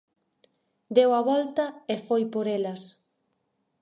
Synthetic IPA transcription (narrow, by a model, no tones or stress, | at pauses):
d̪ewɐβɔlt̪ɐefojpoɾelɐs